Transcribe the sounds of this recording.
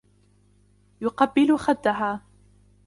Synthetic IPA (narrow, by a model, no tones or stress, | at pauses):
jʊqɑbːɪlʊxad̪ːaɦaː